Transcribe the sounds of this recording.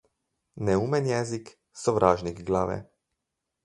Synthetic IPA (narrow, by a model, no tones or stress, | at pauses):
nɛuːmɛnjɛzik | sɔʋɾʔaːʒnikɡlaːʋɛ̰